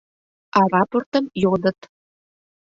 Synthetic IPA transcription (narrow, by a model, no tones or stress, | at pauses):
ɑɾɑport̪əmjod̪ə̆t̪